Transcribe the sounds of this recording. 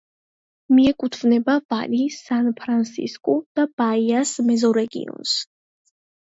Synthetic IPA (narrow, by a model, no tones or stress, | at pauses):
miɛkʼut̪ʰvnɛbavalisanpʰɾansḭskʼɔd̪̥ab̥aiasmɛzɔɾɛɡḭɔ̰ns